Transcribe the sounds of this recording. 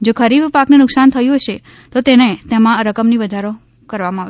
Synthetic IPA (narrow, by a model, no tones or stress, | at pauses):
d͡ʒokʰəɾibpaknenʊksant̪ʰəjũɦəʃe | t̪ot̪enet̪emãəɾəkəmniʋəd̪ʱaɾo | kəɾʋamãa